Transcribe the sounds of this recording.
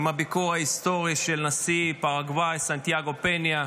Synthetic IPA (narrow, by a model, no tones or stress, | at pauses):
mabikuaist̪oʁiʃelnasipaʁaɡvajsant̪jaɡo̞penja